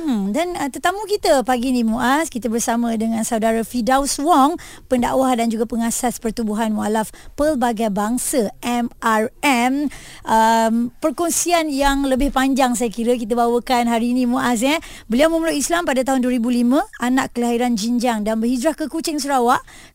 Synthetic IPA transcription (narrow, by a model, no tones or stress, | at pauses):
m̩h̩danət̪ərt̪amũkit̪əpaɡinĩmũʔaskit̪abərsamə̃dəŋãnsaudaɾafidawswɔŋpənda̰ʔwahdand͡ʒuɡapəŋasaspərt̪ubuɦanmalafpəlbaɡajbaŋsəʔɛmarɛm | ʔəmpərkɔnsianjaŋləbɪhpaɲd͡ʒaŋs̬ajakiɾək̬it̪əbawəkanɦaɾinĩmũʔas̬ɲɛ | bəliawməməluʔislampadat̪aɦʊnduəɾibulimə̃anaʔkəlaɦiɾand͡ʒiɲd͡ʒaŋdanbərid͡ʒɾahkəkut͡ʃɪŋsəɾawaʔ